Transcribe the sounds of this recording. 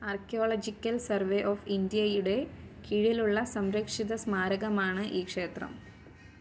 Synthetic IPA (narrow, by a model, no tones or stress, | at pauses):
arkjoːɭɐd͡ʑikʲːɐlsɐrʋeʔoːfind̪ijɐjuɽe̞kʰiːɻiluɭːɐsɐmɾɐkʂiðɐsmaːɾɐɣɐmaːɳɨʔiːkʂe̞ːt̪rɐ̰m